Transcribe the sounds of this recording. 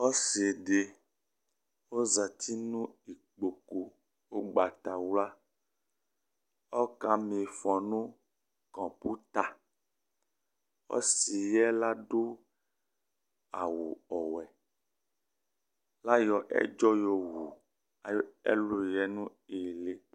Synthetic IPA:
wɔ˦se˨ɖe˨ | wo˦za˨t̪ʰi˦nũ˦i˨k͡po˨ko˨ | wo˦ɡ͡ba˨t̪a˨wla˦ | ɔ˦ka˦me˨fɔ̃˨nũ˦ | kɔ̃˨pu˦t̪a˨ | wɔ̰˦si˨jɛ˦la˦ɖo˦ | a˨wu˨ɔ˨wɛ˨ | la˦jɔ˨ʔɛ̰˦d͡ʒɔ˦jo˨wu˨ | a˨jo˦ɛ̰˦lo˨jɛ˦nũ˦ | e˨le˦

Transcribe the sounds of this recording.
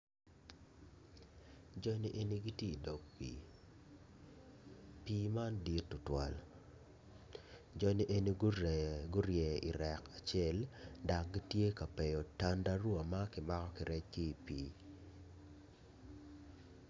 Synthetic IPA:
d͡ʒɔ˦ni˦ʔe˦ni˦ɡi˦tje˦i˨do˨k̚pḭ˨ | pi˦ma˦ndi˦tːʊ˨twa̰˨l | d͡ʒɔ˦nɪ˦ʔe˦ni˦ɡɡʊ˦ɾjɛ˨ɪ˨ɾɛ˨ka˨t͡ʃɪɛ˦˨lda˨k̚ɡi˦tje˦ka˨pɛ˨jɔ˨ta˦nda˦ɾwa˨ma˦kɪ˨ma˦kɔ˦kɪ˨ɾʔɛ˦ti˦˨piː˨

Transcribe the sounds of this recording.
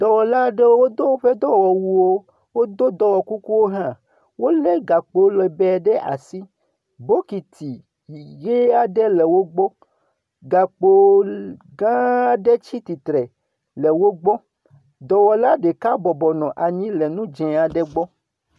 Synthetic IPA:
d̪ɔ˨wɔ˨la˦ɖe˦wwo˦d̪o˦wo˦ɸe˦d̪ɔ˦wɔ˨wu˦wo˦ | wo˦d̪o˦d̪ɔ˦wɔ˨ku˦ku˦wo˦ɦã˦˨ | wo˦le˦ɡa˨k͡po˨le˨bɛ˨ɖe˦ʔa̰˨si˦ | bo˦ki˨t̪i˨ | je˦a˨ɖɛ˦lɛ˨wo˦ɡ͡bɔ˦ | ɡa˨k͡po˨ | ɡã˦a˦ɖe˦t͡ʃi˦t̪i˨t̪ɾɛ˨ | le˨wo˦ɡ͡bɔ˦ | d̪ɔ˨wɔ˨la˦ɖe˨ka˦bɔ˨bɔ˨nɔ̃˨ʔa˨ɲĩ˦le˨nũ˦d͡ʒɛ̃˨a˨ɖe˦ɡ͡bɔ˦

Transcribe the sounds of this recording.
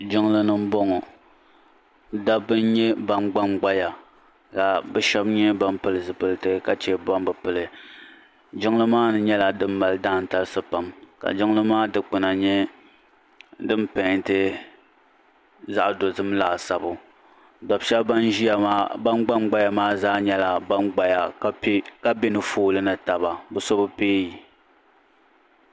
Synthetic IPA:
d͡ʒɪ˦ŋlɨ˦nɨ˦m˦bɔ˦ŋɔ˨ | da˦bɨ˦nɲɛ˦ba˦mɡ͡ba˦mɡ͡ba˦ja˨ | ka˨bɛ˨ʃɛ˦bɲɛ˦ba˦mpɨ˦lɨ˨zɨ˨pɨ˦lɨ˦tɨ˦ka˨t͡ʃɛ˨ba˦mbɨ˨pɨ˨lɨ˨ | d͡ʒɪ˦ŋ˦lɨ˦maː˦nɨ˨ɲɛ˦la˨dɨ˦mːa˨lɨ˦daː˦n̩˦ta˦lsɔ˦pa˨mka̰˨d͡ʒɪ˦ŋ˦lɨ˦maː˦dɨ˨k͡pɨ˨na˨ɲɛ˦ | dɨ˦mpɛ˨ŋ˨n˦tɨ˦ | za˦ʔdo˨zɨ˦mlaː˨sa˨bʊ˨ | dɔ˨bʃɛ˦ba˦nʒi˦a˨a˦ba˦nɡ͡ba˦nɡ͡ba˦ja˨maː˦zaː˦ɲɛ˦la˨ba˦nɡ͡ba˦ja˨˦ka˦be˦nɨ˨foː˦lɨ˦nɨ˨ta˨ba˨bɨ˦so˦bɨ˦peː˦ji˨

